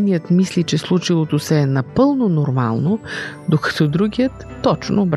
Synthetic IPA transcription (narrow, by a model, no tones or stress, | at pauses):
nijət̪mislit͡ʃɛslˠut͡ʃilˠot̪osɛɛnɐpɤlˠnonoɾma̰lˠnod̪okɐ̥t̪ɔd̪ɾuɡʲijət̪ːɔt͡ʃnob